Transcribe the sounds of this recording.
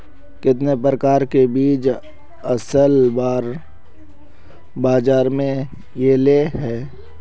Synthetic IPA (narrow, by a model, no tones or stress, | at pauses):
kɪt̪̬nepɾəkaːɾkebiːt͡ʃ | əsəlbaːɾ | baːd͡ʒaːɾmẽ | jeːleɦɛː